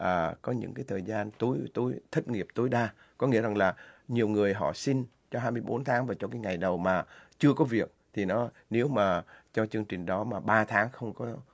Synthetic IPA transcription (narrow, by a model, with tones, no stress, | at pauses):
ʔəː˨˩kɔ˨˦ɲɨ̰˧˥ŋkaː˨˦jt̪ʰəː˨˩jzaː˧nt̪o˨˦jt̪o˨˦jt̪ʰə˦˥t̚ŋi˨˩əp̚t̪o˨˦jɗaː˧ | kɔ˨˦ŋḭ˧˥za˨˩ŋlaː˨˩ɲi˨˩əwŋɨ˨˩əjɦɔ̰˧˨si˧n | t͡ɕɔ˧ɦaː˧jmɨ˧əjɓo˨˦nt̪ʰaː˨˦ŋvaː˨˩t͡ɕɔ˧kaː˨˦jŋa˨˩jɗə˨˩wmaː˨˩t͡ɕɨ˧əkɔ˨˦vi˨˩ək̚t̪ʰi˨˩nɔ˨˦ | ne˨˦wmaː˨˩t͡ɕɔ˧t͡ɕɨ˧əŋt͡ɕï˨˩ŋ̟ɗɔ˨˦maː˨˩ɓaː˧t̪ʰaː˨˦ŋxə˧wŋ͡mkɔ˨˦